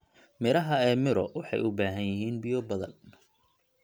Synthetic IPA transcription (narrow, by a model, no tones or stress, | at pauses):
mɪɾɐɦɐɛːmɪɾɔ̰wɑħɑ̰jʊbaːɦɐnjɪɦiːnbɪjɔbɐðɐ̰n